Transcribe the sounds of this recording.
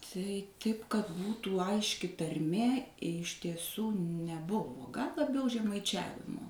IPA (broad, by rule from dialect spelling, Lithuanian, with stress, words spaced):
tɐɪ ˈtɐɪp kɐt ˈbuːtuː ˈɐɪʃʲkʲɪ tɐrʲˈmʲeː ɪʃ tʲiɛˈsuː nʲɛˈbʊʋoː ɡɐlˠ lˠɐˈbʲɛʊ ʒʲɛmɐɪˈt͡ʃʲæːʋʲɪmoː